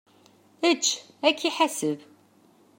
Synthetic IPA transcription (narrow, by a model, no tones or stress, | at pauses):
ət͡ʃː | ækːiħasəv